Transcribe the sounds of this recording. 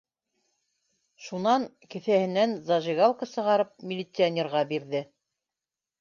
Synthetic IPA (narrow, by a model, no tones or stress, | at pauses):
ʃunɑŋ | kɘ̆θæhɘ̆nænzɑʒiɡalˠkəsɤ̆ʁɑɾɤp̚mʲɪlʲɪt̪sɨanʲerʁɑbiɾðɘ